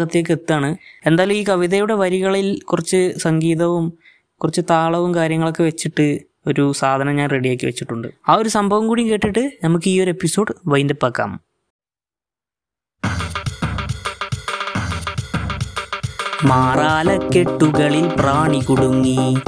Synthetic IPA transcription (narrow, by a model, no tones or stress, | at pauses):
ɣɐt̪ːijeːk̬ːet̪ːuaːɳɨe̞nd̪aːlumiːkɐʋiðɐjuɽe̞ʋɐɾiɣɐɭilkurɐt͡ɕːɨsɐŋɡiːðɐʋum | kurɐt͡ɕːɨt̪aːɭɐʋumkaːɾjɐŋːɐɭokːeʋet͡ɕːiʈːɨ | o̞ɾusaːd̪ʱɐnɐmɲaːnreɽijeːkʲːɨʋet͡ɕːiʈːuɳɖɨ̰aːo̞ɾusɐmbʱɐʋɐmkuːɽijŋke̞ːʈːiʈːɨnɐmukːɨiːo̞ɾepːiso̞ːɖɨʋɐjnd̪epːɐkːa̰ːm | maːraːlɐkːe̞ʈːuɣɐɭilpraːɳikuɽuŋːi